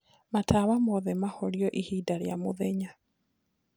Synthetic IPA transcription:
matʰaːβamɔðɛmahɔɾiɔʔihidaɾjamoðɛɲa

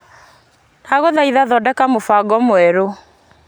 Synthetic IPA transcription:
naɣoðaiðaðɔdɛkamofaɡɔmoɛɾo

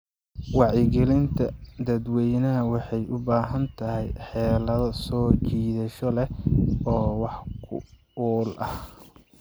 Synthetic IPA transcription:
wɑʕjɪɡɛlɪnt̪ʰɐd̪ɐd̪wɛjnɐɦɐwɑħɑjʊbaːɦɐnt̪ʰɐɦɛjħɛːlɐðɔsɔːt͡ʃiːðɐʃɔlɛɔːwɑħkʰʊ̰ | ɔːlʔɐh

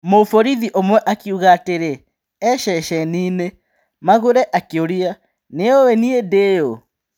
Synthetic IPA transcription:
mofoɾiðiʔomwɛʔakiuɣaːteɾe | ɛʃɛʃɛniːne | maɣoɾɛʔakeoɾia | neowɛniedejo

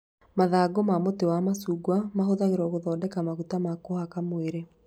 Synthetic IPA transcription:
maðaɡomamotewamasuɡwamaɦoðaɣeɾɔɣoðɔːdɛkamaɣutamakohakamoeɾe

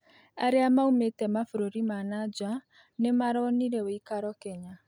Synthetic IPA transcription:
aɾeamaumetɛmafuɾoɾimanad͡ʒwa | nemaɾɔniɾɛweikaɾɔkɛɲa

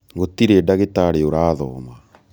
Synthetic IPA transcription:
ɣot̪iɾeːdaɣetaɾeoɾaːðɔːma

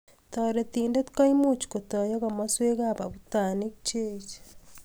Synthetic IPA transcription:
toːɾetiːndetu̥kaimut͡ʃi̥kotojoɣamasweɣaβaβutaːnekit͡ʃeːt͡ʃe̥

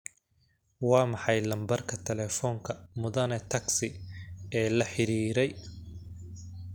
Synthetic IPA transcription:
wɑːmɑħɑjlɐmbɐrkʰɐt̪ʰɛlɛːfɔːŋkʰɐmʊðɐnɛt̪ʰɐɡsɪɛːlɐħɪɾiːɾɛj

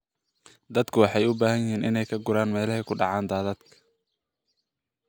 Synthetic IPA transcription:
d̪ɐd̪kʰʊwɑħɑjʊbaːɦɐjɪhiːnɪnɛjkʰɐɡʊɾaːnmɛːlɐɦɛkʰʊɖɑʕɑːnd̪aːðɐd̪kʰɐ̥

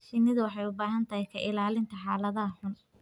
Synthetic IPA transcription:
ʃɪnɪðʊwɑħɑjʊbaːɦɐnt̪ʰɐhɛjkʰɐʔɪlaːlɪnt̪ʰɐħaːlɐðɐɦɐħʊn

